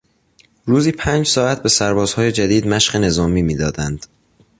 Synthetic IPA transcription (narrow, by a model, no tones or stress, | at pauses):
ɾuːziːpʰæːnd͡ʒsɒːæt̪̚ʰbe̞sæɾbɒːz̥hɒːje̞d͡ʒæd̪iːd̪mæʃɢene̞zɒːmiːmiːd̪ɒːd̪ænd̪̥